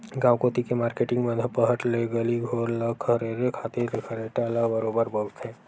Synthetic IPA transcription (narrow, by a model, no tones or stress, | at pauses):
ɡãːʋkoːt̪ikemaːɾkeːʈɪ̃ŋɡbə̃nd̪ʱəpəɦəʈleɡəliɡʱoːɾləkʰɦɐɾeɾekʰaːt̪eɾkʰɐɾeʈalabəɾoːbəɾbək̪ʰɦɛ̃ː